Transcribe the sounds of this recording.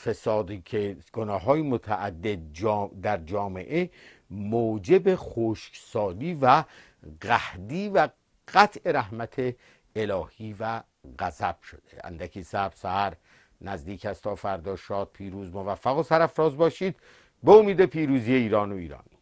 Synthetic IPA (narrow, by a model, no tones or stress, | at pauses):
fe̞sɒːd̪iːcʰe̞ɡ̥onɒːɦɒːjemot̪ʰæʔæd̪ːe̞d̪̚d͡ʒːd̪æɾd͡ʒɒːme̞̰ʔe | moːd͡ʒe̞beχoːʃksɒːliːvæ | ɣæhd̪iːvæ | ɣ̥æt̪ʰe̞ɾæhmæt̪ʰeː | lɒːhiːvæ | ɣæzæb̥ʃod̪̥ḛæ̰nd̪ækʰiːsæb̥sæhæɾ | næzd̪iːkʰhæst̪ʰɒːfæɾd̪ɒːʃɒːd̪̚pʰiːɾuːzmovæfːæɣosæɾæfɾɒːzbɒːʃiːd̪̥ | beomiːd̪epʰiːɾuːziːje̞iːɾɒːnoiːɾɒ̰ːni